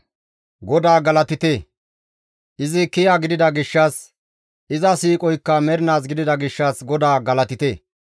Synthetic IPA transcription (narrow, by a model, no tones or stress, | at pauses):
ɡɔd̪aːɡɐlɐt̪ɪt̪eː | ʔɪzɪkɪjaːɡɪd̪ɪd̪ɐɡɪʃːɐs | ʔɪzɐsiːkʼɔjkːɐmɛɾɪnaːs̬ɡɪd̪ɪd̪ɐɡɪʃːɐsɡɔd̪aːɡɐlɐt̪ɪt̪eː